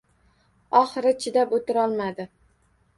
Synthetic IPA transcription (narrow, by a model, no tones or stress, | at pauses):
ɒχɨɾɪt͡ʃʰɪd̪apot̪ʰɪɾɒlˠmad̪ɪ